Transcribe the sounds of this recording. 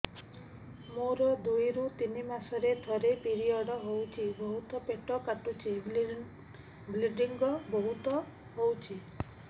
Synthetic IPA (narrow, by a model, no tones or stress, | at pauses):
moɾɔd̪ujɾũt̪inimasɔɾet̪ʰɔɾepiɾiɔɽɔɦowt͡ʃʰibɔɦut̪ɔpeʈɔkaʈut͡ʃʰe | bliɖiŋɡɔbɔɦut̪ɔ | ɦowt͡ʃʰi